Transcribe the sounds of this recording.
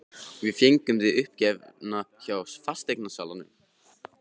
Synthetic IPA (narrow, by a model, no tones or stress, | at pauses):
vɪðfjejŋkʏmðɪʏhp̚cɛvnaçawsfast̪ejk̚nasaːwlanʏ̰m